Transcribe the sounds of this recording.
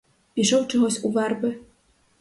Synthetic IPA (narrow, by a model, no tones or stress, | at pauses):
pʲiʂɔwt͡ʂɔɣɔsʲuvarbɨ